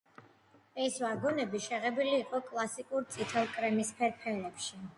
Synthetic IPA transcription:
ɛsvaɡɔnɛbiʃɛʁɛbiliːqʼɔkʼlˠasikʼuɾt̪sʼit̪ʰɛlˠkʼɾɛmispʰɛɾpʰɛlɛpʃi

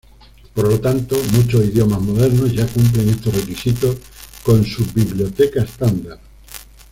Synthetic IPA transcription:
poɾlo̞t̪ant̪omut͡ʃosiðjo̞mazmoð̞e̞ɾnozʝakump̬le̞ŋe̞st̪erekisit̪o | kõ̞nsubiβljot̪e̞kaest̪and̪aɾ

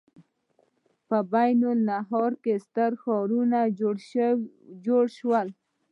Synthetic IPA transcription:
pəbajnʊlnaɦɑɾkest̪əɾxɔɾuna | d͡ʒoɽʃwəl

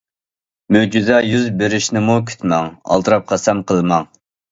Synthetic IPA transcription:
mød͡ʒyzɛjyzbeɾɪʃnɪmukʲʰy̥t̪mɛŋɑ̰lˠt̪ɨɾɑp̚qʰɑsɛmqʰəlˠmɑŋ

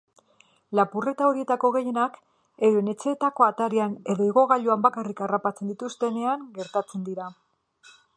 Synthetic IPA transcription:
lapure̞t̪ao̞ɾie̞t̪ako̞ɣe̞je̞nak | e̞ɾene̞t͡se̞t̪ako̞at̪aɾiane̞ðo̞iɣo̞ɣaʎuambakarikarapat͡se̞nd̪it̪ust̪e̞ne̞aŋɡe̞ɾt̪at͡se̞nd̪iɾa

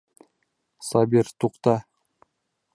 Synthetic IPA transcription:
sɑbiɾt̪ʰuqt̪ɑ

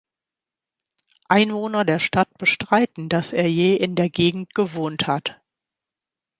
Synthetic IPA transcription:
ʔaɪnvoːnɐdeːɐʃtat̚b̥əʃtʁ̥aɪtn̩dasʔeːɐjeːʔɪndeːɐɡeːɡŋ̩t̚ɡ̥əvoːnthat

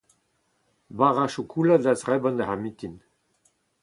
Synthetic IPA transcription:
baʁaʃukʰulad̪azʁɛbɔ̃nd̪ahamit̪in

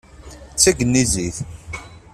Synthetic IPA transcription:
t͡sːæɡənːiziθ

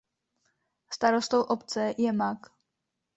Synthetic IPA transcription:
st̪aɾost̪owʔopt͡sɛjɛmak

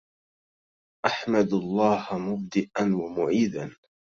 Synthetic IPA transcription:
ʔaħmad̪alˤːɑːhmʊb̚d̪ɪʔanwamʊʕiːd̪an

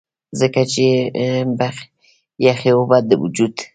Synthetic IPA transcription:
zəkat͡ʃeba | jaxewobad̪əwṵd͡ʒud̪

